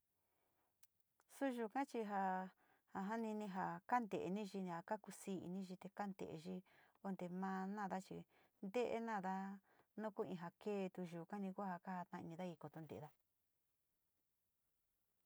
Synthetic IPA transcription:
su˦ʒu˧˨kã˦t͡ʃi˧ɦa˧ | ha˧ɦa˦nĩ˧nĩ˧ɦa˧ka˦nd̪e˨ʔe˧nĩ˦ʒi˧ĩ˧˨a˧ka˦ku˧siː˦ḭ˧nĩ˦ʒi˧t̪e˧ka˦nd̪ḛ˨ḛ˧ʒi˦ | o˧nd̪e˨˧mãː˧nã˦˨ða˦t͡ʃi˧ | nd̪e˦ʔḛ˧˦nãː˦˨ða˦nũ˦ku˦ĩ˧ɦa˨keː˦˧t̪u˧ʒuː˨kã˦nĩ˧ku˦a˦ha˧ka˦ha˧t̪nã˧ḭ̃˧nĩ˧ða˦i˧ko˧t̪o˧nd̪ḛ˨˧ða˦

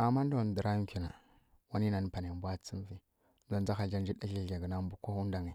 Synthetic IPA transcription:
a˨mːa˦n˦do˦˨n˨də˨ɾa˦kʲi˨na˨ | wa˦ni˦na˨n˨pa˨n˨e˨mbʷa˦t͡si˦n˦vi˦ | n˦a˦n˦d͡za˦xa˨d͡ʒa˦nd͡ʒi˦ɗa˦i˦˨a˨ɡə˨na˦mbu˦ko˦hu˦n˦da˨ŋi˨

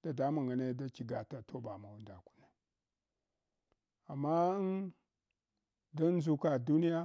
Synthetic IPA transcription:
d̥a˨da˦ma˨ŋɡa˨ne˦da˦t͡ʃi˨ɡa˨ta˨tʰo˦ba˨ma˨wu˦nda˨ku̥˦na˨ | a˨mːa˦n | do˦n˦zu˦ka˨du˦ni˦ja˦

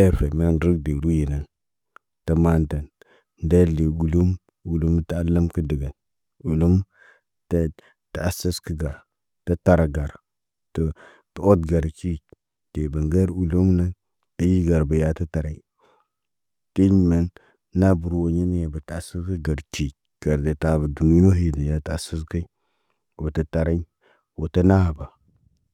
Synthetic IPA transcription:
e˦fe˨me˦nɾi˦k̚de˨ɾu˦ji˨na˨n | tə˨ma˦nta˨n | nda˦li˨u˨lu˦m | u˨lu˦m˦ta˦a˦la˦mkə˦di˨ɡa˨n | u˨lu˦m | ta˦ | ta˨a˦sə˦skə˦ɡa˨ɾ | ta˦ta˦ɾa˨ɡa˨ɾ | to˨ | tə˨o˦t̚ɡa˨ɾt͡ʃi˦ | te˨bə˨ŋɡa˦ɾu˨lu˦mna˦n | ə˦ji˦ɡa˨ɾbə˨ja˦tə˦ta˨ɾa˦i˦ | ti˦ɲ˨ma˨nː | a˦bu˨ɾwo˨ɲi˦n˦ja˨bə˨ta˨a˨sə˦skə˦ɡa˨ɾt͡ʃi˨ | ɡ̥a˨ɾde˨ta˨bə˨du˨ni˦no˦ɦi˦də˨ja˨ta˨a˨sə˦s̬ka˦i˦ | wo˨tə˦ta˨ɾa˦i˦ | wo˨tə˦na˦ha˨ba˨

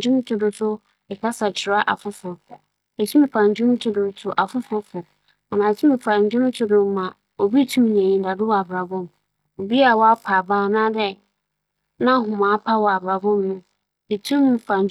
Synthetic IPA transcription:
d͡ʑᶣũ˦m˦tʰʊ˨dʊ˨sʊ˦ | ɛ˨kʰa˦sa˨t͡ɕʰɪ˨ɾa˦ʔa̰˨fʊ˦fʊ˨ɾ | e˨tʰũ˦m˦fã˨ɲ˨d͡ʑᶣũ˦m˦tʰʊ˦dʊ˨ɾtʰʊ˨ʔa˨fʊ˦fʊ˦fʊ˨ | a˨nãː˨tʰũ˦m˨fã˨ɲ˨˦d͡ʑᶣʊ̃˦m˦tʰʊ˦dʊ̃˨m˦mã˨ | o˨bi˦tʰũ˦m˨ɲɛ̃˨jĩ˦da˨dʊ˦wɔ˨a˨bɾa˨bʊ̃˦m | o˨bi˦a˨wɔ˦a˦pʰa˨baː˦˨nã˦dɛ˦ | nã˦ɦʊ̃˨mãː˨˦pʰa˦wɔ˨a˨ba˨bʊ̃˦mnʊ̃˦ | e˨tʰũ˦m˦fã˨ɲ˨

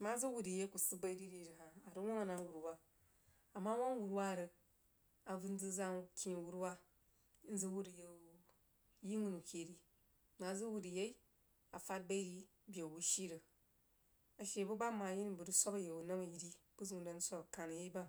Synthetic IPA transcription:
ma˦zu˦wu˨di˨je˦ku˨sɨ˦ba˦i˦ɾi˦ɾi˦˨ɾi˨ɦa˨a˨ɾu˦wʷo˦ŋa˨na˨˦wu˨ɾwa˦ | a˨mːa˦wo˦ŋ˦wu˨ɾwa˦˨ɾɐ˨˧ | a˨vu˦n˦d͡zɨ˦za˦ŋ˨kʲi˦˨wu˦ɾwa˦ | n̩˦zɨ˦wu˦ɾi˨je˨u˨˦ | ji˦ŋu˦˨nu˨kʲe˨ɾi˦ | ma˨˦zɨ˦wu˨ti˨je˦i˦ | a˨fa˦t̚ba˦ɾi˦ | bʲje˨bu˦ʃi˦ɾɐ˨ | a˨ʃe˨bu˦ba˦ma˨˦ji˦n˦˨bu˨du˦sʷa˦kɐ˨je˨wu˨na˦ŋ˨ji˨ɾi˦ | b̥u˦zu˦˨nda˨n̩˦sʷa˦kɐ˨ka˨nɐ˨je˦ba˦

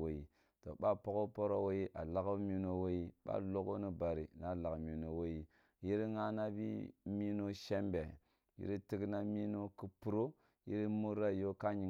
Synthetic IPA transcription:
o˨i˨ | to̰˨ɓa˦po˦ko˦po˦ɾo˦wo˦ji˦ʔa˨la˦ka˦mi˦no˦wo˦i˦ɓa̰˦lo˦ko˦ni˦ba˨ɾi˨na˨la˨kmi˨no˨wo˦ji˦ | ji˦ɾŋa˦na˦bḭ˦mi˦no˦ʃe˦mbe˨ | jḭ˦ɾi˦ti˦kna˦mi˦no˦ku˦pu˨ɾo˦ | jḭ˦ɾi˦mu˦ɾa˦˨jo˦ka˦ɲi˨

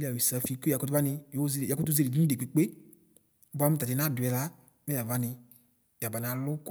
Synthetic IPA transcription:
li˦a˨wi˨sa˧fi˧ko˦ja˨kɔ˧tu˦va˦nɪ˧jo˨˦ze˧˨ja˨ku˦tu˦ze˧ɾi˨di˦i˦de˨k͡pe˨˦k͡pe˦ | ba˦m̩u˦ta˨ti˧˨na˦dʊ˨ɛ˨˧la˨˦ | mɛ˦ja˨va˦nɪ˧ | ja˨ba˨na˨lʊ˦k

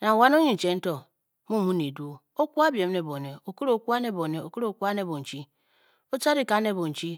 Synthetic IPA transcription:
na˨ŋ˨wa˦n˦o˦ɲi˦n̩˨t͡ʃe˨˦n̩˦to˨ | mu˦˨mu˦ne˨du˦ | o˦ku˦a˦bje˨m˦ne˨bo˨ne˨o˨ku˦ɾo˦˨˦kʷu˦a˦ne˦˨bo˨ne˨o˨ku˦ɾo˦˨ku˦a˦ne˦˨bo˨n̩˨t͡ʃi˦ | o˦t͡ʃa˦ɾi˦ka˨˦ne˦˨bo˨n̩˨t͡ʃi˦

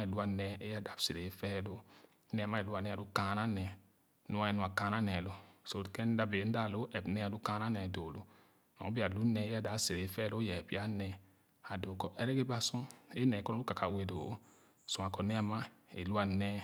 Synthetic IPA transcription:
a˦e˨lu˦a˨nɛ˦e˦ja˦˨da˨˦bse˨ɾe˨˦fɛ˦lo˦ | nɛ˦a˨ma˦e˨lu˦a˨nɛ˦a˨du˦ka˦na˦nɛ˨ | nu˦a˦ɛ˨nu˨a˨ka˦na˦nɛ˨lo˨so˨kɛ˦n̩˦da˦be˨˦n̩˦da˦˨lo˦ʔɛ˨bnɛ˦a˨du˦kã˦na˦nɛ˨do˨lu˦ | nɔ̰˨˦bi˦a˨lu˦nɛ˨˦a˦˨da˨˦se˨ɾe˨˦fɛ˦lo˦jɛ˨bi˦a˦nɛ˨ | a˨do˨˦kɔ˦ʔɛ˦ɾɛ˦ɡe˦ba˦sũ˦e˦nɛ˨kɔ˦nɔ˦u˦ka˨ka˨we˨do˨o˦˨ | su˨a˨kɔ˨nɛ˦a˨ma˦ḛ˨lu˦a˨nɛ˦

